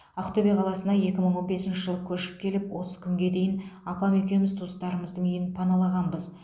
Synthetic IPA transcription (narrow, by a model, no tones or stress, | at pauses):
ɑqt̪obʲijɑqʰɑlˠɑsənɑje̞kʲɪməɴwonbe̞sɪnʃɪʒəlˠəkʲʰɵɾʃɪ̥p̚kʲʰe̞lɪpwo̞sə̥kʲʰʏŋɡʲe̞d̪e̞jɪnɑpɑmɵkʲe̞mɪzt̪ʰust̪ɑɾəməzd̪əŋejɪnpʰɑnɑlˠɑʁɑnbəz